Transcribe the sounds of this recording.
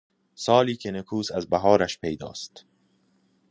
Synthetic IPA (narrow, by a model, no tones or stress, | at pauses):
sɒːliːkʰenekʰuːsæzbæɦɒːɾæʃpejd̪ɒ̰ːst̪